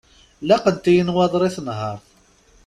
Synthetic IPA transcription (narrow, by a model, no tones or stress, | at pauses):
læqənt̪ijənwɑðˤɾˤiθənɦɑɾˤθ